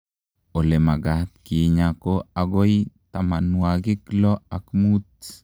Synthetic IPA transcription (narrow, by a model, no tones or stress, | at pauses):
olemaɡat̪̚kiɲakoaɡojt̪amanuaɡiklɔakmut̪̚